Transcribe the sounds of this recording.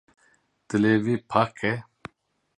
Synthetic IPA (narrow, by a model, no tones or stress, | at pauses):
t̪ɨlevipʰakʰɛ